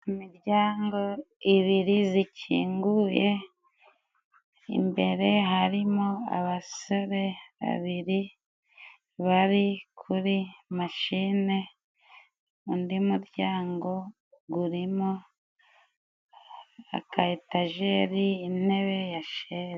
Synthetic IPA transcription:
imiɾɟaːŋɡo̞iβiɾizicʰḭːŋɡuje̞ | ḭmbe̞ɾe̞ɦaɾimo̞a̰βaso̞ɾe̞βa̰βiɾi | βaɾikʰuɾimaʃine̞ | undimuɾɟaːŋɡo̞ | ɡuɾimo | a̰kʰaetaʒeɾiːne̞βe̞jaʃeɾ

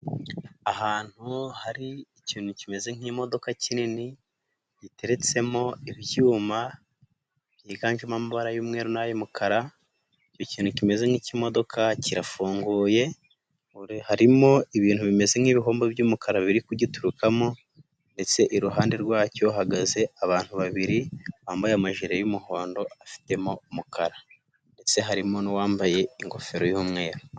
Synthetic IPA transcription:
ahaːn̥huhaɾiː | ciːn̥hucime̞ze̞ŋ̥iːmo̞do̞kacinini | jite̞ɾe̞t͡se̞mo̞iβjuːma | βjiːɡaːɲʒemamaβaɾajuːmŋe̞ːɾunajomukʰaɾa | ico̞ciːn̥ucime̞ze̞ŋ̥icimo̞do̞kʰaciɾafuːŋɡuːje̞ | uhaɾimo̞iβiːn̥huβime̞ze̞ŋiβiɦoːmbobjuːmukaɾaβiɾikuɟituɾukamo̞ | nde̞t͡se̞ʔiɾuɦaːndeɾɡwaːco̞ɦaɡaze̞aβaːn̥huβaβiɾiwaːmbajeamaʒiɾejumuho̞ːndo̞afi̥te̞mo̞umukʰaɾa | nde̞t͡se̞ɦaɾimo̞niwaːmbaje̞iŋɡo̞fe̞ɾo̞juːmŋe̞ːɾo

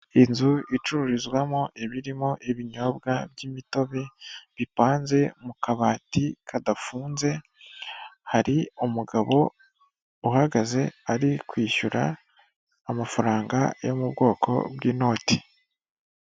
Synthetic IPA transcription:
inzuit͡ʃuɾuɾizɡwamoʔeβiɾimo̞ʔeβiɲo̞bɡabjimito̞βe̞βipaːnze̞mukaβaːtikʰadafuːnze̞ | haɾiumuɡaβo̞ | uhaɡaze̞aɾikwiːʃuɾa̰ː | mafaɾaːŋɡa̰jo̞mubɡo̞ːkʰo̞̰bɡiːno̞ːtʰi̥

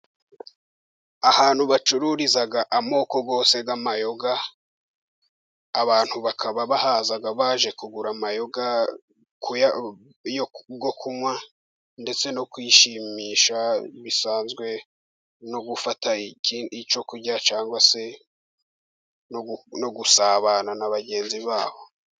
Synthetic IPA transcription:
ahaːn̥huβat͡ʃuɾuɾizaɡaʔamo̞ːko̞ɡo̞ːse̞ɡamajo̞ɡa | βaːn̥huβakʰaβaβahaːzaɡaβaːʒe̞kuɡuɾamajo̞ɡa | kuja | joɡokʰumwa | nde̞t͡se̞nokwiːʃimiːʃaβisaːnzɡwe̞ | noɡufataiit͡ʃo̞kuɾɟat͡ʃaːŋɡwase̞ | nonoɡusaːβaːnanaβaɟe̞ːnziβaːβo̞

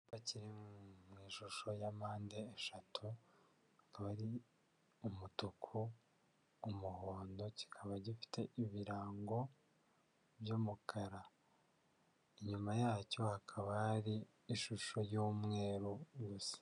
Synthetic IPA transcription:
baciɾimŋiːʃuʃo̞jamaːndeːʃatʰu | hakaβaɾi | umutukʰuː | muhoːndo̞ci̥kʰaβaɟifi̥tʰe̞ʔiβiɾaːŋɡo̞ | βjoːmukʰaɾa | iɲumajaːco̞hakʰaβahaɾiː | ʃuʃo̞joːmŋe̞ːɾoɡusḁ

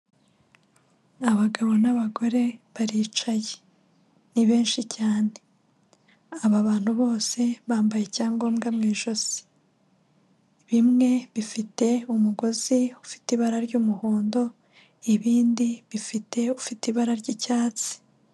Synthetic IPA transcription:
aβaɡaβo̞naβaɡo̞ɾe̞βaɾiːt͡ʃaje | niβe̞ːnʃicaːne̞ | aβaβaːn̥huβo̞ːse̞βaːmbaje̞caːŋɡo̞ːmɡamŋiːʒo̞z̥i̥ | βimŋe̞βifite̞umuɡo̞ziufi̥tiβaɾaɾɟuːmuhoːndo̞ | iβiːndiβifite̞ufitiβaɾaɾɟicaːt͡si̥

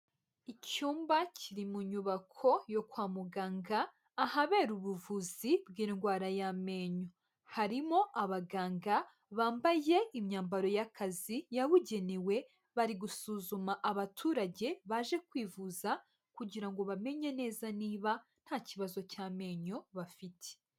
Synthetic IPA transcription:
icuːmbacʰiɾimuɲuβakʰo̞jo̞kwaːmuɡaːŋɡaː | haβe̞ːɾuβuvuzibɡiːŋɡwaːɾajame̞ɲo̞ | haɾimo̞ʔaβaɡaːŋɡa | βaːmbaje̞imɲaːmbaɾo̞jakʰazijawuɟe̞niwe̞ | βaɾiɡusuːzumaʔaβatʰuːɾaɟe̞βaʒe̞kwiːvuza | kuɟiɾaŋɡo̞βame̞ɲe̞ne̞ːzaniːβan̥haːciβazo̞caːme̞ːɲo̞βafitʰe̥

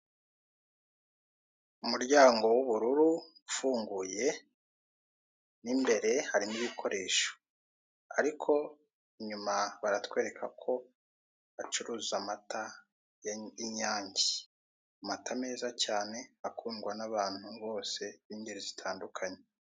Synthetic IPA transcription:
umuɾɟaːŋɡo̞wuβuɾuɾuufuːŋɡuje̞ | nimbe̞ɾe̞haɾiniβikʰo̞ɾʔe̞̰ːʃo̥ | a̰ɾikʰo̞ | iɲumaβaɾatkwe̞ːɾe̞kʰakʰo̞ | at͡ʃuɾuːzamata | jiɲaːɲɟi | amatʰame̞ːzacaːne̞akʰuːnɡwanaβaːn̥huβo̞ːse̞βiːɲɟeɾizitʰaːndukʰaɲe

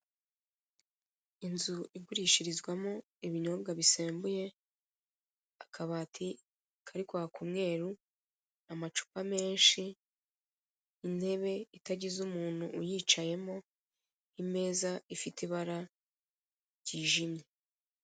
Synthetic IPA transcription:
inzuʔiɡuɾiːʃiɾizɡwamo̞ | iβiɲo̞ːbɡaβiseːmbuje̞ | akʰaβaːtʰi | kʰaɾikwahakʰumŋe̞ːɾu | namat͡ʃu̥pame̞ːnʃi | n̥he̞βe̞itaɟizumuːn̥huːjiːt͡ʃaje̞mo̞ | ime̞ːzaifitiβaɾa | ɾɟiːʒimɲe

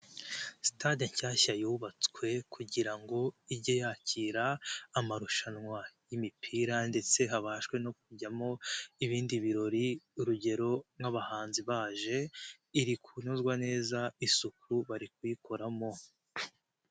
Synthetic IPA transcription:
si̥tadeɲçaːçajuːβat͡skwe̞kʰuɟiɾaŋɡo̞iɾɟojaːciːɾaːmaɾuʃanŋwajimipʰiːɾande̞t͡se̞ɦaβaːʃwe̞no̞k̚uɾɟamo̞iβiːndiβiɾo̞ɾiuɾuɟe̞ɾo̞mŋaβahaːnziβaːʒe̞ | iɾikʰunozɡwane̞ːzaisukuɾuβaɾikujikʰo̞ɾamo̞

